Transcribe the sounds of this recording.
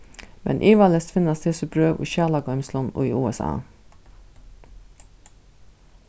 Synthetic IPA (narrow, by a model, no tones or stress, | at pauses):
mʔɛ̰nʔiːʋɑlɛst̪fɪnɑst̪ʰɪsʉpɾøːʋʔḭːɕæːlɑɡœʏmslʊno̰ːḭːʔuːɛsɑ̰ː